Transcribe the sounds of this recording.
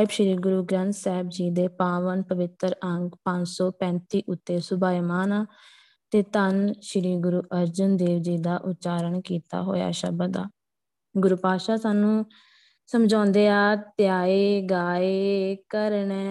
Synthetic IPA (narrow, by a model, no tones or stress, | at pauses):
ɪbʃɪɾiːɡʊɾuːɡɾə̃nsɛːbd͡ʒiːd̪eːpaːʋənpəʋɪt̪ɾəŋɡpə̃ɲd͡ʒsɔːpɛ̃ːnt̪iːʔʊt̪ːeːsʊbaːimaːnaː | t̪eːt̪ənʃɪɾiːɡʊɾuːʔəɾd͡ʒʊnd̪eːʋd͡ʒiːd̪aːʔʊt̪ːt͡ʃaːɾəɳkiːt̪a̰ːɦo̰ːja̰ːʃə̰bəd̪a̰ː | ɡʊɾuːpaːʃaːsaːnũː | səmd͡ʒɔ̃ːnd̪eːaːt̪jaːeːɡaːeːkəɾɳɛː